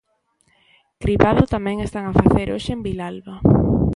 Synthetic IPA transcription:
kɾipaðʊt̪amɛ̃ŋest̪aŋafaθeɾʔoʃɪembilalβa

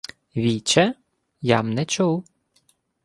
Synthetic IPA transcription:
ʋʲit͡ʃɛ | jɑmnɛt͡ʃuw

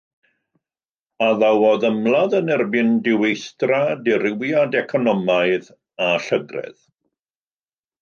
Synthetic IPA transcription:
aðawɔðəmlˠaðənɛrbɪndɪwejstradɪɾɪwjadɛkʰɔnɔmaɨð | aɬəɡrɛ̰ð

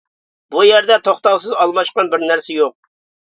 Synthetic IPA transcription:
bujæɾd̪ɛt̪ʰoχt̪ɑwsɨzɑlˠmɑʃqɑnbɪɾnæɾsɛjoq̚

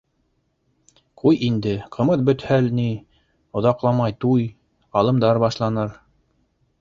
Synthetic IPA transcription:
qʰujʔind̪ɘqʰɤ̆mɤðbɵ̆t̪hælni | ŏðɑqlˠɑmɑjt̪uj | ɑlˠɤ̆md̪ɑɾbɑʃlˠɑnɤɾ

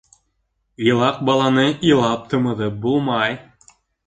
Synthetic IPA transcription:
ilˠɑq̚bɑlˠɑnɤʔilˠɑp̚t̪ʰɤ̆mɤ̆ðɤp̚bulˠmɑj

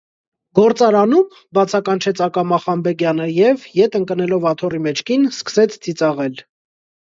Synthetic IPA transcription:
ɡ̥ɔɾt͡sɑɾɑnum | bɑt͡sʰɑkɑnt͡ʃʰɛt͡sʰɑkɑmɑχɑmbɛɡjɑnəjɛvjɛt̪əŋkənɛlɔvɑt̪ʰɔrimɛt͡ʃʰkinskə̥sɛt͡sʰd͡zit͡sɑʁɛl

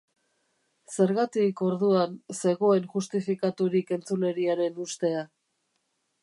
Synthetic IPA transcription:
se̞ɾɣat̪iko̞ɾðuanse̞ɣo̞e̞nʝust̪ifikat̪uɾike̞nt͡sule̞ɾiaɾe̞nust̪e̞a

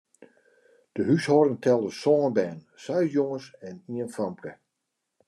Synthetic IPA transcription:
d̥əɦyshɔɾəŋtʰɛlˠəsɔːnbɛːn | sœɥsjoŋəsɛniənfɔmpkə

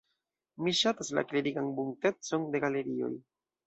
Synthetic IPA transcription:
miʃatasla̰kliɾiɡanbuŋte̞t͡so̞nde̞ɡale̞ɾio̞̰j

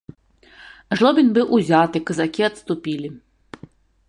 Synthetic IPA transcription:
ʐlˠɔbʲinʲbɨwʔuzʲat̪ɨkɐzakʲiɐt̪st̪upʲilʲi

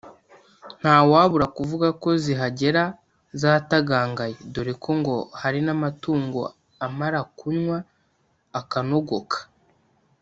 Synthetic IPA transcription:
n̥haːwaːβuɾakuvuɡako̞ziɦaɟe̞ɾa | zaːtaɡaːŋɡajedoɾekʰo̞ŋɡo̞haɾinamatuːŋɡo̞ | amaɾakuɲŋwaː | kano̞ɡo̞kʰḁ

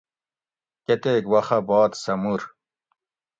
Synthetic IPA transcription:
ket̪eːɡwɐχɐbɑːt̪sɐmuɾ

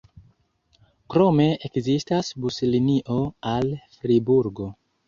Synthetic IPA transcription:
kɾo̞me̞ekzistasbusliniʔo̞alfɾibuɾɡo̞

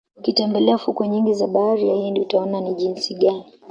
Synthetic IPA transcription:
ukitɛmbɛlɛafukɔɲiŋɡizaɓaaɾijahindiutaɔnaniʄinsiɠani

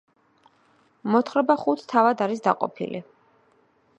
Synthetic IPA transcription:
mɔt̪χɾɛbaχut̪ʰt̪ʰːavad̪aɾis̬d̪a̰qʼɔ̰pʰḭlḭ

